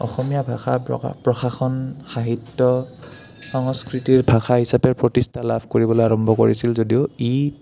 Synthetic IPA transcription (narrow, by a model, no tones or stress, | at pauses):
ɔ̰xɔmijabʱaxapɹɔxaxɔnxaɦitːɔ | sɔŋskɹitiɹbʱaxaɦisapɛɹpɹɔtistʰalabʱkoɹibɔloaɹɔmbʱɔko̰ɹisilzodiʊi